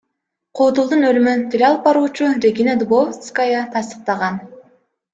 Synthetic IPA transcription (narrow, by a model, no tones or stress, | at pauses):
qʰuːd̪ulˠd̪unølymynt̪ʰiɾeɑlˠp̚bɑɾuːt͡ʃuɾʲeɡʲinad̪ubovt̪skajɑt̪ʰɑst̪ə̥q̚t̪ɑʁɑn